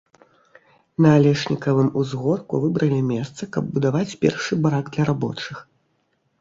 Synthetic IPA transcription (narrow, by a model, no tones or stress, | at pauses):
nɐːlʲɛʂnʲikɐvɨmuzɣɔrkṵvɨbɾɐlʲimʲɛst̪sɐkɐb̚ːud̪avat͡sʲpʲɛ̰rʂɨbɾaɡd̪lʲɐɾabɔ̰t͡ʂɨx